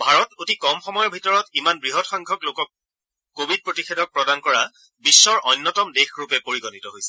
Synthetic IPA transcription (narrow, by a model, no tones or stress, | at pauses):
bʱaɹɔtotikɔmxɔmɔjɔbʱitɔɹɔtimanbɹiɦɔtxaŋɡʱɔklokɔk̚ː | obʱid̚pɹotixʰedʱɔk̚pɹɔdankɔɹa | bisːɔɹʔɔjnːɔtɔmdexɹupɛpoɹiɡɔnitɔɦojsɛ